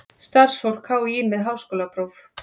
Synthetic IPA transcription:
st̪ar̥sfowl̥kʰaːwimɛðɦaːwskowlapʰɾowf

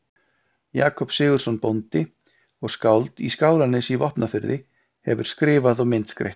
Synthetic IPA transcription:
ja̰ːkʰɔpsɪːɣʏɾ̥sɔnpownt̪ɪ | ɔɣskawlt̪iskaːwlanːɪsivɔhpnafɪɾðɪ | hɛvʏ̰ɾ̥skɾɪːvaðɔwmɪnt̪skɾḛjht̪

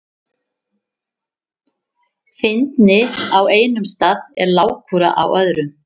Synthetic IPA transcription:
fɪnt̪nɪaweːjnʏmst̪aðɛ̰ɾlaːwkʰuɾa̰ʔa̰wœðɾʏm

